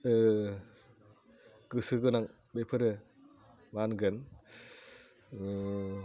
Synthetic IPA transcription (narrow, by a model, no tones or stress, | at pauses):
ɡ̥ɯsɯɡɯnaŋ | bepʰɯɾɯ | manɡɯn